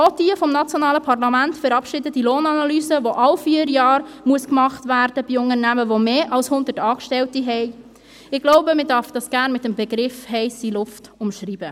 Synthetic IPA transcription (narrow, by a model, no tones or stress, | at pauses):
od̥iəfɔmnɑt͡sjoɔnɑːləpʰɑrlɑmæntfɛɾɑpʃɪdədiloːnɑnɑlyːzəʋoʔɑlfiəɾjɑːɾmuəskmɑχtvæɾd̥əb̥iʊnəɾnæməʋomeːʔɑlshʊnd̪ətɑːkʃtɛltiɦɛɪ | ɪɡ̥loʊbəmɪdɑɾfd̥ɑsɡ̥æːɾnmɪtəmbɛɡɾɪfhɛɪsilʊftʊmʃrib̥ə